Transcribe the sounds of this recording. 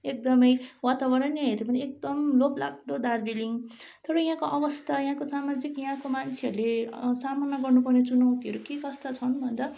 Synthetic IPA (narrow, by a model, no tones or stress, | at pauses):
ek̚d̪ʌmʌjwat̪abʌɾʌnʌɦed̪epʌniek̚d̪ʌmlopla̰ɡ̚d̪od̪ard͡ziliŋt̪ʌɾʌj̃ɦãkoʔʌbʌst̪ʰajãɦãkosamad͡zikjaɦãkomant͡sʰeʌɾulesamʌnːʌɡʌrnupʌrnet͡sunaw̃t̪iɦʌɾukekʌst̪ʰat͡sʰʌnbʱʌnd̪a